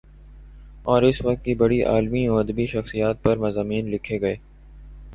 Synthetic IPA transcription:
ɔːɾɪsʋɐk̚t̪̚kibɐɽiʔa̰ːlmiɔɐd̪əbiʃɐxsijaːt̪̚pɐɾmɐzaːmiːnlɪkʰːeɡɐeː

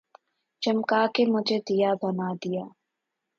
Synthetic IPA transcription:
d͡ʒɐmkaːkemʊd͡ʒʱed̪ijabɐnaːd̪ijaː

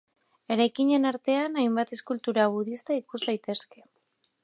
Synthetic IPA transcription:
e̞ɾajkiɲe̞naɾt̪e̞anajmbat̪e̞skult̪uɾaβ̞uðist̪aikuzd̪ajt̪e̞ske̞

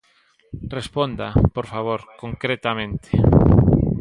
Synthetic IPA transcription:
respond̪a̰poɾfaβ̞oɾkoŋkɾet̪amẽnt̪e̥

